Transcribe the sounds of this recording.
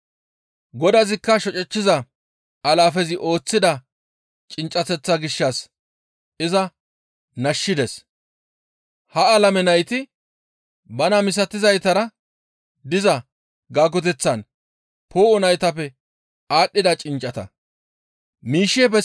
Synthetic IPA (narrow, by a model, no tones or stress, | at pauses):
ɡɔd̪ɐzɪkːɐʃɔt͡ʃʼɛt͡ʃːɪzɐ | ʔɐlaːfɛzɪʔo̞ːt͡sːɪd̪ɐ | t͡ʃʼɪnt͡ʃʼɐt̪ɛt͡sːɐɡɪʃːɐs | ɪzɐ | nɐʃːɪd̪ɛs | hɐɐlɐmɛnɐjt̪ɪ | bɐnɐmɪs̬ɐt̪ːɪzɐjt̪ɐɾɐ | d̪ɪzɐ | ɡaːɡɔt̪ɛt͡sːɐn | pʰo̞ːɔnɐjt̪ɐpːɛ | aːɗːɪd̪ɐt͡ʃʼɪnt͡ʃʼːɐt̪ɐ̰ | miːʃːeːpɛ